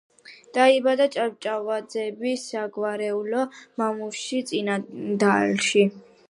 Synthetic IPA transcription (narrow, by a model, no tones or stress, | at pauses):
d̪̥aibad̪at͡ʃʼavt͡ʃʼavad̪zɛbisaɡvaɾɛulɔmamufʃit̪sʼinad̪alʃi